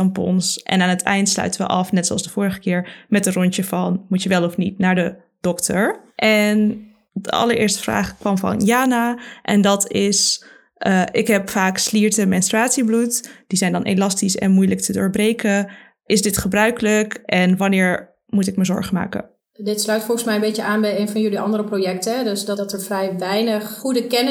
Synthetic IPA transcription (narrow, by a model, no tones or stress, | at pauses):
ɑmpɔ̰nsʔɛ̰naːnətʰɛjntslœ̰ɥtəʋə̰ʔɑfnɛtsoɑ̰lsdəvʊːɾəχəkɪːɹmɛtərɔɲt͡ʃəvɑnmutjəʋɛlˠɔfnitnaːɹdə | d̥ɔktəɹʔɛn | də̰ɑ̰ləɹʔɪ̰ːɹstə̥vra̰ːχkʋɑmvɑ̰njaːnaʔɛ̰ndɑtɪs | ʔəʔɪkɦɛpfaːksliːɹtəmɛnstɹaːtsiblutd̥izɛjndɑnʔḛlɑstisɛ̰nmujlək̚tʰədʊ̰ːɹbrejkə | ʔɪsdɪtχəbrœɥkələkʔɛnʋɑnɪːɹ | mutɪkməzɔ̰ɹχəma̰ːkə̰n | dɪtslœɥtfɔlˠχəsmɛjə̃mbejcəaːnbɛjejnvɑnjɵliʔɑ̰ndəɾəprojɛk̚tədɵsdɑtəɹfrɛjʋɛjnəχχudəkɛn